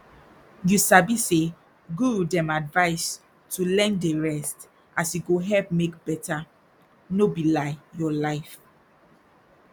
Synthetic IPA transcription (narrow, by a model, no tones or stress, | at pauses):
jusabise | ɡudɛ̃madvaɪs | tulɛ̃ndeɹɛst | ʔasjuɡoɦɛlpmek̚bɛta | nobilaɪjɔlaɪf